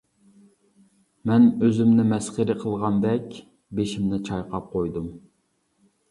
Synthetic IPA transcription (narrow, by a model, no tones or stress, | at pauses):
mɛnøzymnɪmɛsχəɾɨqʰəlˠʁɑnd̪ɛkʲ | beʃimnɪt͡ʃʰɑjqɑp̚qʰojd̪um